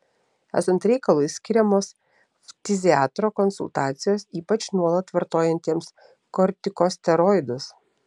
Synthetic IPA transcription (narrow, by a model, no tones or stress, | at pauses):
æ̰ːsɐnt̪ɾʲɛɪkɐlˠʊɪsʲkʲɪɾʲɛmoːs | t̪ʲɪzʲɪɑːt̪ɾoːkɔnsʊ̰lˠt̪ɑːt̪sʲɪjoːsiːpɐt͡ʃnuɔlˠɐt̪ʋɐɾt̪oːjɛnʲt̪ʲiɛms | kɔɾʲt̪ʲɪkoːsʲt̪ʲɛɾɔːɪd̪ʊs